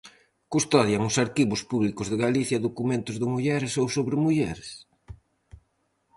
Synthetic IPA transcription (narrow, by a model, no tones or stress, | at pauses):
kust̪ɔðjaŋʊsaɾkiβʊspuβlikʊzðɪɣaliθjɐðokumẽnt̪ʊzðɪmuʎɛɾsowsoβɾɪmuʎɛɾes